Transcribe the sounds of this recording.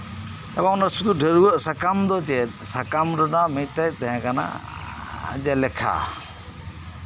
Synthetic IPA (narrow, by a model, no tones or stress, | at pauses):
ɛbaɔnasud̪uɖʱəɾuwəʔsakamd̪ɔd͡ʒɛt̪̚sakamɾɔnamiʈːajt̪ɛɦɛ̃kana̰ | d͡ʒɛlɛkʰa̰